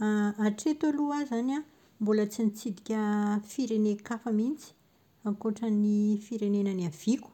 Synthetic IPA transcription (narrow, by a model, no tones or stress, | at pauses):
aaʈ͡ʂet̪aluazana | mbulət͡sinit͡sid̪ikʲəfiɾenekafəmint͡si̥ | akoʈ͡ʂənifiɾenenəniav̥iku̥